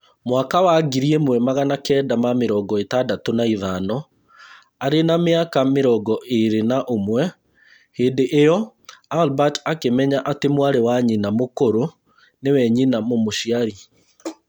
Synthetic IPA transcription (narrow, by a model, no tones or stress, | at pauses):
mwakawaɡiɾiemwɛmaɣanakɛːdamameɾɔːɡɔetadatonaiðanɔ | aɾenameakameɾɔɡɔʔeɾenaʔomwɛ | heːndeʔːjɔ | albatakemɛɲaʔatemwaɾewaɲinamokoɾo | newɛɲinamomoʃiaɾi